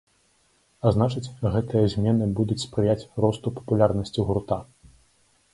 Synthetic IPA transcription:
aznat͡ʂɨt͡sʲɣɛt̪ɨjɐzʲmʲɛnɨbud̪ut͡sʲspɾɨjat͡sʲrɔst̪upɐ̥pulʲarnɐsʲt͡sʲiɣurt̪a

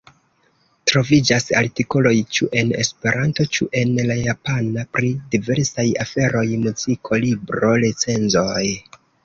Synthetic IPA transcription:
tɾo̞vid͡ʒasa̰ɾtiko̞lo̞jt͡ʃuʔe̞ne̞̰spe̞ɾʔanto̞t͡ʃuʔe̞nlajapanapɾidive̞ɾsajafe̞ɾo̞jmuzikʰo̞libɾo̞ɾet͡se̞nzo̞j

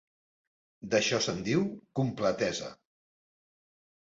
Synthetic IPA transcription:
d̪əʃɔsənd̪iwkumplət̪ɛzə̰

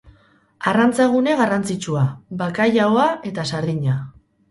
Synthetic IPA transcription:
arant͡saɣune̞ɣarant͡sit͡ʃuabakajaoae̞t̪asaɾðiɲa

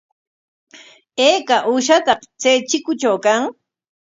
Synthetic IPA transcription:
eːkaʔuːʃ̬at̪ɑqt͡seːt͡ʃɪkʊt͡ʃawkaŋ

